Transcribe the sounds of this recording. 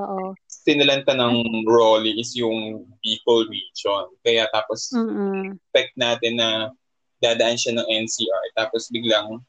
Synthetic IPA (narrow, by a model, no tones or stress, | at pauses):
oʔot̪ɪnɐlɐnt̪ɐnɐŋɹoːliʔɪsjʊŋbiːkɐlɹiːd͡ʒonkɐjat̪aːpos | pɛk̚t̪̚naːt̪ɪnːɐ | d̪aːd̪ɐʔanʃanɐŋʔɛnsiːʔaɹt̪aːposbɪɡ̚laŋ